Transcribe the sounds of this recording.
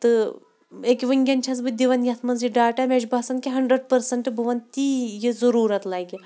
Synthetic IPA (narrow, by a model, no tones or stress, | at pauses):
t̪ɨ | ekʲiʋəŋɡʲɐnt͡ʃʰɐs̬bɨd̪iʋɐnjɐt̪ʰmɐnzjiɖaːʈamʲed͡ʒbaːsɐnkʲiɦɐɳɖɾəɖ̚pɐɾsɐɳʈɨbɐʋɐnt̪ijizɐɾuːɾɐt̪laːjɡʲi